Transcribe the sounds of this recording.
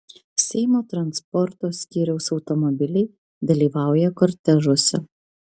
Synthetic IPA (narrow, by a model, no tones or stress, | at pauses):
sʲɛɪmoːt̪ɾɐnspɔɾt̪oːsʲkʲiːɾʲɛʊsɒʊt̪ɔmɔbʲɪlʲɛɪ | d̪ɐlʲiːʋɑˑʊjɛkɔɾʲt̪ʲɛʒosʲɛ